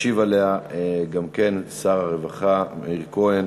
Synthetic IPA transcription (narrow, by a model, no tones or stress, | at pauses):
ivaleaeɡamke̞nsaʁaʁevaχamiʁkoen